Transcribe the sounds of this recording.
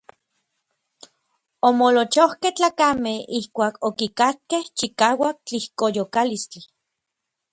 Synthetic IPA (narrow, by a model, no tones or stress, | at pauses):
omolot͡ʃohkeht͡ɬaːkamehihkʷaːkokikakːeht͡ʃikaːwak̚t͡ɬihkojokalist͡ɬi